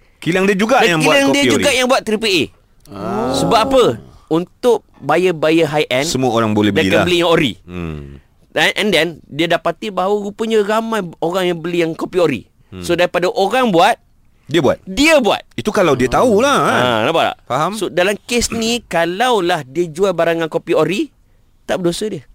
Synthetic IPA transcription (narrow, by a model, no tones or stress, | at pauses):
kilaŋdiəd͡ʒuɡaʔdajaŋbkialaŋdiad͡ʒuɡaʔjaŋbuat̪̚t̪ːɾipie | səbaapəunt̪ʊʔ̚ | bajəbajəɦajʔɛnsəmuaoɾaŋbolɛbədaikabəlijaŋoɾḭ | anʔɛndɛndiadapat̪ibaɦawəɾupəɲaɾamãjoɾaŋjaŋbəlijaŋkopioɾḭ | sodaɾipadaʔoɾaŋbuat̪̚ | diəbua̰t̪̚diəbua̰t̪̚it̪ukalawdiət̪aulaanapaʔla̰ʔfaɦamsodalamkesnikalawlahdiəd͡ʒualbaɾaŋankopioɾi | t̪aʔbədosədiə